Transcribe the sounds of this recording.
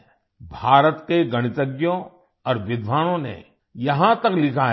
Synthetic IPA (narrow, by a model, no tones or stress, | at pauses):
bʱaːɾət̪keɡɐɽ̃ɪt̪əɡjõ | ɔːɾʋɪd̪ʋaːɽ̃õnḛ | jɐɦãt̪ɐklɪkʰa